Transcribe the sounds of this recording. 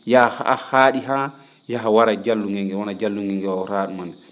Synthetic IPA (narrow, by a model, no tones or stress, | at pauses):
jahaa̰haɗiɦa | jaɦawaɾad͡ʒalːuŋɡɛŋɡɛwɔnad͡ʒalːuŋɡɛŋɡɛwaɾaːɗumandɛ